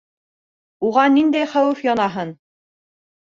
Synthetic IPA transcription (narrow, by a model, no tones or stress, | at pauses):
uʁɑnind̪æjχæwɘfjɒnɑɦɤn